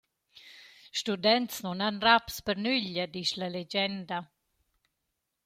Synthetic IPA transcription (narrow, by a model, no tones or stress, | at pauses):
ʃtud̪ɛnt̪snunanrapspəɾnyʎəd̪iʃlaled͡ʒɛnd̪a